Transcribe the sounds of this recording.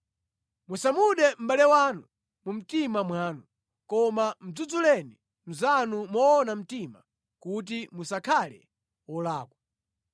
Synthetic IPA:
musamuɗɛm̩ɓalɛwanu | mum̩timamwaːnu | kɔmam̩d͡zud͡zulɛni | m̩zanumɔːnam̩tima | kut̬imusakʰalɛ̰ | wɔlaːkwa

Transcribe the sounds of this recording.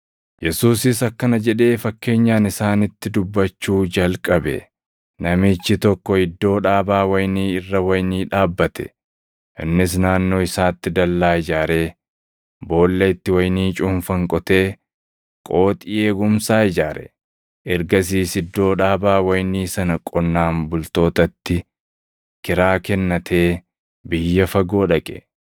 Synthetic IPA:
jɛsuːsɪsɐkːɐnɐd͡ʒɛᶑe̞ːfɐkːe̞ːɲːaːnɪsaːnɪt̪ːɪd̪ʊbːɐt͡ʃːuːd͡ʒɐlkʼɐbɛ̰ | nɐmɪt͡ʃːɪt̪ɔkːɔɪd̪ːo̞ːᶑaːbaːwɐjniːɪrːɐwɐjniːᶑaːbːɐt̪ʰɛ̥̰ | ʔɪ̰nːɪs̬naːnːo̞ːɪsaːt̪ːɪd̪ɐlːaːɪd͡ʒaːɾe̞ː | bo̞ːlːeɪt̪ːɪwɐjniːt͡ʃʼʊmfɐŋkʼɔt̪e̞ː | kʼo̞ːt̪ʼɪʔeːɡʊmsaːɪd͡ʒaːɾʔɛ̰ | ʔɪɾɡɐs̬iːsɪd̪ːo̞ːᶑaːbaːwɐjniːsɐnɐkʼɔnːaːmbʊlt̪o̞ːt̪ɐt̪ːɪ | kɪɾaːkɛnːɐt̪ʰe̞ː | bɪjːɐfɐɡo̞ːᶑɐkʼɛ̰

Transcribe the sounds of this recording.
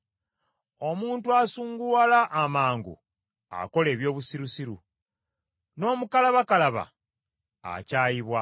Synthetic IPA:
o̞muːntuasuːŋɡualaʔːmaːŋɡṵ | a̰ko̞le̞ːβjo̞ːβusiɾusiɾu | no̞ːmukalaβakalaβa̰ː | caːjiβwa

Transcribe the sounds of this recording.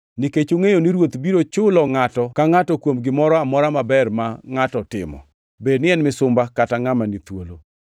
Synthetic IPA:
niket͡ʃoŋejoniɾwot̪biɾot͡ʃʊlɔŋatɔkaŋatɔkwomɡɪmɔɾɔamɔɾamabɛrmaŋatɔtɪ̰mɔ̰ | bednɪɛnmɪsʊmbakataŋamanit̪wolo

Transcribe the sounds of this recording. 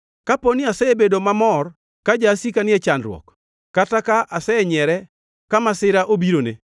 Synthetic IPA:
kaponɪasɛebedomamɔr | kad͡ʒasikanɪɛt͡ʃandɾwɔ̰k | kːatakaʔasɛɛɲɛɾɛ | kamasɪɾaʔobiɾone

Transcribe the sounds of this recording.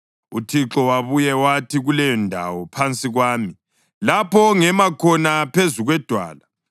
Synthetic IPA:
utʰiǁɔwaβujɛwatʰiɣulɛjɔndʱa̰wɔpʰant͡sʼiɣwaːmi | lapʰɔŋɛmakʰɔnapʰezuɣwɛd̥ʱwa̰ːla

